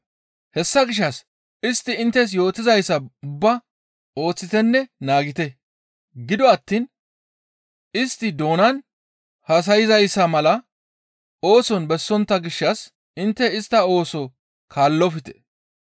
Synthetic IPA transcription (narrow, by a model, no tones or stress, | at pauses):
hɛsːɐɡɪʃ̬ːɐs | ɪst̪ːɪɪnt̪ːɛs̬jo̞ːt̪ɪzɐjsːɐʊbːɐ | o̞ːt͡sːɪt̪ɛnːɛnaːɡɪt̪ɛ | ɡɪd̪ɔɐt̪ːiːn | ɪst̪ːɪd̪o̞ːnɐn | hɐs̬ɐjɪzɐjsːɐmɐlɐ | o̞ːsɔnbɛsːɔnt̪ːɐɡɪʃːɐs | ɪnt̪ːɛɪst̪ːɐo̞ːsɔ | kʰaːlːɔfɪt̪ɛ̥̰